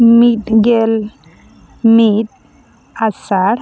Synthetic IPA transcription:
miʈɡel | miʈ̪̚ | asaɽ

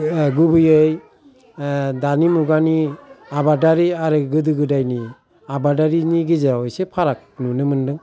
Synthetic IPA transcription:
ɡubɯjɯj | danimuɡaniabadaɾiaɾɯɡɯdɯɡɯdajni | abadaɾiniɡizaɾawɔjsepʰaɾak̚nunɯmɯndɯŋ

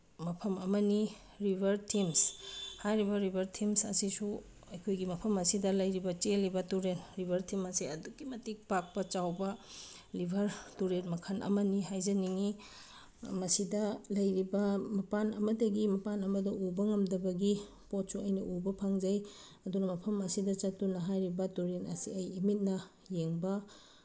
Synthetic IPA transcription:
mɐpʰɐmɐmɐni | ɾibʱɐɾtʰimshajɾibɐɾibʱɐɾtʰimsɐsisu | ɐjkʰojɡimɐpʰɐmɐsidɐlɐjɾibɐt͡ʃelibɐtuɾenɾibʱɐɾtʰimɐsiɐdukːimɐtik̚pak̚pɐt͡ʃawbɐ | libʱɐɾtuɾenmɐkʰanʔɐ̰mɐniɦajzɐniŋi | mɐsidɐlɐjɾibɐmɐpanɐmɐtɐɡimɐpanɐmɐdɐʔubɐŋɐmdɐbɐɡi | pot̚suɐjnɐʔubɐpʰaŋzɐj | ɐdunɐmɐpʰɐmɐsidɐt͡ʃɐtːunɐɦajɾibɐtuɾenɐ̰siɐjimit̚nɐ | jeŋbɐ

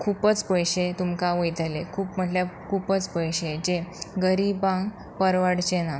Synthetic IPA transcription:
kʰuːpət͡spəjɕet̪umkaʋəjt̪əlekʰuːpm̤əʈljakʰuːpət͡spəjɕed͡ʑeɡəɾibãŋɡ | pəɾʋaɽt͡ɕena

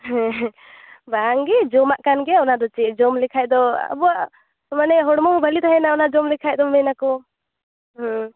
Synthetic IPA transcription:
ɦɛ̃ | baŋɡɛd͡ʒɔmaʔkanɡɛɔnad̪ɔt͡ʃɛʔd͡ʒɔmlikʰajd̪ɔa̰buaʔ | manɛɦɔɽmɔmbʱəlit̪ʰaɦɛnaɔnad͡ʒɔmlikʰajd̪ɔmɛnakɔ | ɦɔ̃

